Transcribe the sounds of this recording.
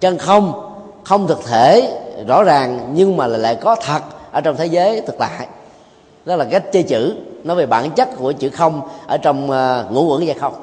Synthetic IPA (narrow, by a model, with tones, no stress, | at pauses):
t͡ɕə˧nxə˧wŋ͡m | xə˧wŋ͡mt̪ʰɨ˨˩k̚t̪ʰe˧˩˨zɔ̰˧˥zaː˨˩ŋɲɨ˧ŋmaː˨˩laː˧˨˩la̰ː˧˨jkɔ˨˦t̪ʰə˨˩t̚ʔəː˧˩t͡ɕɔ˧wŋ͡mt̪ʰe˨˦zəː˨˦jt̪ʰɨ˨˩k̚t̪a̰ː˧˨j | ɗɔ˦˥laː˨˩a˦˥jk̚t͡ɕə˧t͡ɕɨ̰˧˥nɔ˨˦ve˨˩ɓa̰ː˧˩˦nt͡ɕə˦˥t̚ku˧˩ət͡ɕɨ̰˧˥xə˧wŋ͡mʔəː˧˩t͡ɕɔ˧wŋ͡mŋṵ˧˥kwə̰˧˥ŋzaː˧xə˧wŋ͡m